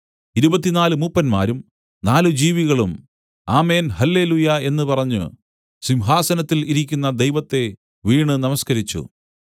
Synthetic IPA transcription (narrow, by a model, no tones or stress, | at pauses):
iɾubɐt̪ːinaːlɨmupːɐnmaːɾum | naːlɨd͡ʑiːʋiɣɐɭum | aːme̞ːnhɐlːe̞ːlujɐe̞nːɨpɐrɐɲːṵ | simɦaːsɐnɐt̪ːiliɾikʲːunːɐd̪ejʋɐt̪ːe̞ | ʋiːɳɨnɐmɐskɐɾit͡ɕːṵ